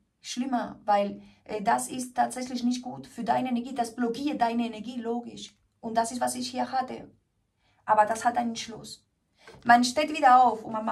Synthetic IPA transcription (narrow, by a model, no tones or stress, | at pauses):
ʃlɪmɐvaɪlʔdasɪstːaːtz̥ɛçlɪçnɪçt̚ɡ̥uːtfyːɐdaɪnəenɛɐɡiːdasb̥lokiːɐt̚daɪnəenɛɐɡiːloːɡɪʃ | ʔʊntd̥asɪstv̥asɪçhiːɐhatə̰ | ʔaːbɐdashataɪnənʃlʊ̰s | manʃteːtviːdɐaʊfʊnman